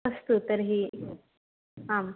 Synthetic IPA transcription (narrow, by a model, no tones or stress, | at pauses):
əst̪ut̪əɾɦiː | ɦãm